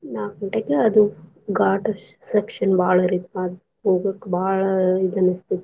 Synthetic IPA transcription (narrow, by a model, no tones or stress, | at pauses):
naːkɐɳʈɐkːeɐd̪u | ɡaːʈɐʃ | sekʂɐnbaːɭɐɾit̪mad̪ | ɦoːɡɐkːebʱaːɭɐid̪ɐnɐst̪id̪e